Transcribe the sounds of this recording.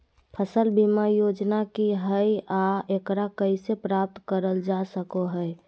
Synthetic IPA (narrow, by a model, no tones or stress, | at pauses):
pʰəsəlbimajod͡ʒnakiɦəiaekɾakəisepɾap̚t̪kəɾəld͡ʒasəkoɦəɛ